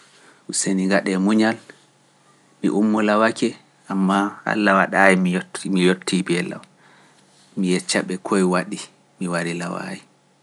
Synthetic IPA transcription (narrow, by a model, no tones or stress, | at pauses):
useniɡaɗɛmuɲal | mḭʔumːɔlawakɛ | amːaa̰lːawaɗajimijmijotʰːibɛla̰w | mijɛt͡ʃːaɓɛkʰɔjwaɗi | miwaɾilawa̰i